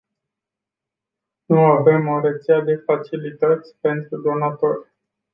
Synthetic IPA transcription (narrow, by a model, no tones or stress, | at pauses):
nuave̞moɾesead̪e̞fat͡ʃilit̪ət̪sʲpe̞nt̪ɾud̪o̞nat̪o̞rʲ